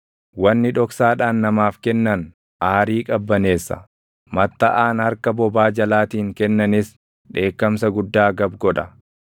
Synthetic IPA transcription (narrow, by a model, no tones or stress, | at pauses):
wɐnːɪᶑɔksaːᶑaːnːɐmaːfkɛnːɐn | ʔaːɾiːkʼɐbːɐne̞ːsːɐ̰ | mɐt̪ːɐʔaːnhɐɾkɐbɔbaːd͡ʒɐlaːt̪iːŋkɛnːɐnɪs | ᶑe̞ːkːɐmsɐɡʊd̪ːaːɡɐbɡɔᶑɐ